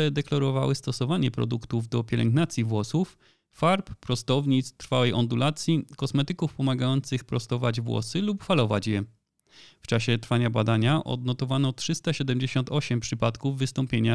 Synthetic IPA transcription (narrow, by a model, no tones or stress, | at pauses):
ɛd̪ɛklaɾɔva̰wɘst̪ɔsɔvaɲɛpɾɔ̰d̪ukt̪uvd̪ɔpʲjɛlɛ̰ŋɡnat̪sʲjivwɔsuf | faɾppɾɔst̪ɔvɲit̪st̪ɾfawɛjʔɔnd̪ulat̪sʲjikɔsmɛt̪ɘkufpɔmaɡajɔnt̪sɘxpɾɔst̪ɔvad͡ʑvwɔ̰sɘlupfalɔva̰t͡ɕjɛ | ft͡ʂaɕɛt̪ɾfaɲabad̪aɲaʔɔ̰d̪nɔt̪ɔvanɔtʂɘst̪aɕɛd̪ɛmd͡ʑeɕɔnt̪ɔɕɛmpʂɘpat̪kuvːɘst̪ɔmpʲjeɲa